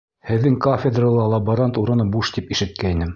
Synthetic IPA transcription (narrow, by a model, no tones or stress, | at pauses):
hɘ̆ðːɘŋkofʲed̪ralˠɑlˠɑboɾant̪uɾɤ̆nɤbuʃt̪ipiʃɘ̆t̪̚kæinɘm